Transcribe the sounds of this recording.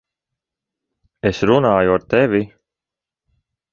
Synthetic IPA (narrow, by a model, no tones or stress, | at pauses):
esɾunaːjuaɾt̪evi